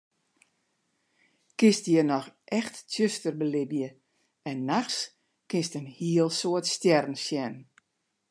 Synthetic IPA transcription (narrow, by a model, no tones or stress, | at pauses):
kɪstjənɔxʔɛxtːʰjøstərbəlɪbjə | ɛnːaxs | kɪnstənhiəlˠsoətstjɛrn̩sjɛn